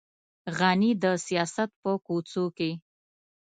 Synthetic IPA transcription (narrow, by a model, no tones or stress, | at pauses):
ɣanid̪əsijɑsat̪̚pəkot͡soke